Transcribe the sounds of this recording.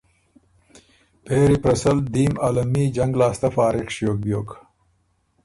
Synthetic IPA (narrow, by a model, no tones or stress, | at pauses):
peːɾipɾɐsɐld̪iːmaːlɐmiːd͡ʒɐŋɡlaːst̪ɐfaːɾiqʂijoːk̚bjoːk